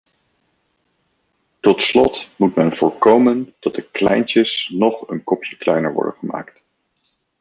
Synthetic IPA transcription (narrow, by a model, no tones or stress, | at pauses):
tɔtslɔtmutmɛnv̥ʊːɹkowməntɑd̚dəklɛ̰jntəsnɔχənkɔpjəklɛjnəɹʋɔ̰ɹdə̰nχəma̰ːkt